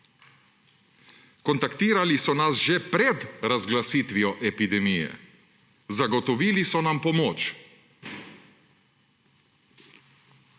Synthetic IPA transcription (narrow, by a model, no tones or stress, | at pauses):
kɔnt̪akt̪iːɾalisɔnasʒepɾɛd̪ɾazɡlasiːt̪ʋiɔʔɛpid̪ɛmijɛ̰ | zaɡɔt̪ɔʋiːlisɔnampɔmoːt͡ʃ